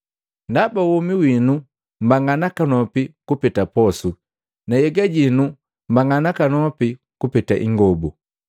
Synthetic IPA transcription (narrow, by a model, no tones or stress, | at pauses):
ndabawumiwinu | m̩baŋanakanɔpikupitapɔsu | najɛɡaɟinu | m̩baŋanakanɔpi | kupitaʔḭŋɡɔbu